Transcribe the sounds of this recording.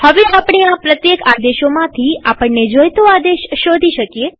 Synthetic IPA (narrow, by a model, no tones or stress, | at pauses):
həʋeapɳ̃eapɾət̪jekad̪eʃomãt̪ʰiapəɳːed͡ʒojt̪oad̪eʃːod̪ʱiʃəkje